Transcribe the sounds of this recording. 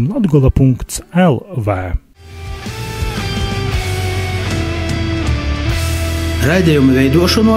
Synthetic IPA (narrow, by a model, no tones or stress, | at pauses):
mlˠɔd̪ɡɔlˠɐpuŋkt̪sɛlˠvɛː | ɾajd̪ʲɛjumvʲɛjd̪uɔʃɔnuɔ